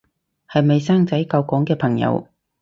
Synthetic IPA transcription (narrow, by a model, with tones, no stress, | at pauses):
hɐ˨jme˨˧jsaː˥ŋt͡sɐ˨˥jkɐ˧wkɔː˨˥ŋkɛː˧pʰɐ˨˩ŋjɐ̰˨˧w